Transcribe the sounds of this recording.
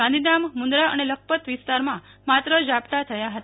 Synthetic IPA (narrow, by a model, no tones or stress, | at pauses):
ãnd̪inamːund̪ɾaə̰nelək̚ʰpət̪ʋist̪aɾmãmat̪ɾəd͡ʒapt̪at̪ʰəjaɦət̪a